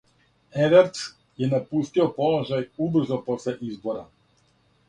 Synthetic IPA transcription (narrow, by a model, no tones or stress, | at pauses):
ɛvɛɾt̪ | jɛnapust̪iɔpɔlˠɔʒajubr̩zɔpɔslɛʔizbɔɾa